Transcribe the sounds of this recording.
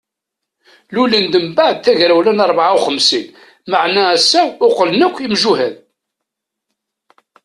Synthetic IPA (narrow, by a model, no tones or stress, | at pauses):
lulind̪əmbaʕd̪̚θæʝɾæwlænɑɾˤbʕawχəmsin | maʕnæːsːæʊqəlnəkʷːimʒuhæð